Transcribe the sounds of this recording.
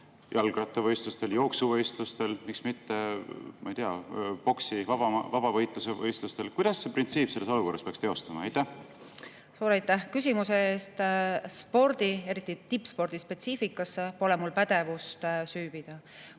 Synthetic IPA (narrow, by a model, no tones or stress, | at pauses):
jʔɑlɡ̥rɑt̪ːˑevɤjst̪lust̪e̞ljo̞ːksuvɤjst̪lust̪e̞lmiksmit̪ːe̞mɑ̰jt̪eɑpo̞ksivɑbɑvɑb̥ɑvɤjt̪ˑlusevɤjst̪lust̪e̞lkujd̪̥ɑsːe̞print̪siːpːˑse̞lːeso̞luko̞rːɑspeɑkst̪e̞o̞st̪ɑmɑɑ̰jt̪ːæh | suːɾɑjt̪ːæhkys̬ʲimuse̞eːst̪spo̞ɾd̪̥ie̞ɾit̪ˑːit̪ipːˑspo̞rd̪̥ispe̞t̪siːfikːˑɑsːe̞po̞lɛmulpæd̪̥e̞vust̪syːb̥id̪̥ɑ